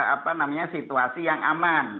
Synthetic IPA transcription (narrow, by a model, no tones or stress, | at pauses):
a̰panamaɲasit̪uasijaŋʔa̰man